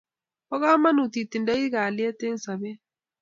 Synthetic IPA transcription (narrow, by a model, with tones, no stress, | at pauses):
ɔ˦ɣa˦ma˦nu˨t̪i˨t̪i˨nda˦i˦ɣa˨lɪ˦ɛ˦te˦n˦sa˨βɛ˦